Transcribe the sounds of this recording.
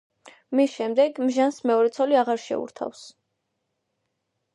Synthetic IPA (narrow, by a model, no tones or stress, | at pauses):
misʃɛmd̪ɛɡmʒansmɛɔɾɛt̪sʰɔliaʁaɾʃɛ̰ṵɾt̪ʰa̰fs